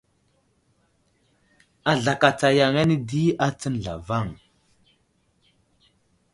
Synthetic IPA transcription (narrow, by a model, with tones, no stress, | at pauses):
a˨ɮa˨ka˨t͡sa˨ja˨ŋa˦ni˦di˦a˦t͡sə˦n˨ɮa̰˨va˦˨ŋ